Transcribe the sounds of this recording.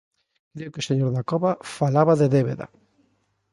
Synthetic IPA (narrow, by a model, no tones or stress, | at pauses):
kɾeʊkoseɲoɾðakɔβafalaβaðeðeβḛða̰